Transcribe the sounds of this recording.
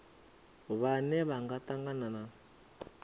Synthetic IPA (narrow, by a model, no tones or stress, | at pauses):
βanɛβaŋɡataŋɡanana